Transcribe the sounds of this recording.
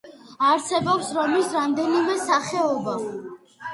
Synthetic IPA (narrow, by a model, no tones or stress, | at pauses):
aɾsɛbɔpsɾɔmisɾamd̪ɛnimɛsaχɛɔba